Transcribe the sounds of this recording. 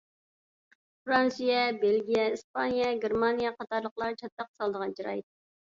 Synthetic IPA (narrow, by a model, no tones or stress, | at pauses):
fɾɑnsijɛbelɡʲijɛispʰɑnijɛɡʲeɾmɑnijɛqɑt̪ɑɾlˠəqlˠɑɾt͡ʃʰɑt̪ːɑq̚sɑlˠd̪əʁɑnd͡ʒɑɾɑ̰jt̪̚ː